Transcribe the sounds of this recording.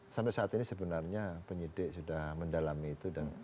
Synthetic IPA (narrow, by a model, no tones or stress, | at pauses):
sampɛsaːt̪inisəbənarɲapəɲidɪʔsudahməndalamiːt̪udan